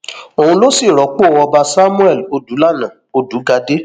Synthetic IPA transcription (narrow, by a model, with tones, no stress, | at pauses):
o˨hũ˧lo˦si˦˨ɾɔ˨˦k͡po˦˨wɔ˧ba˧sa˦mũ˦ɛ˦˨lo˧du˨˦la˦˨nã˨ | o˧du˨˦ɡa˧de˦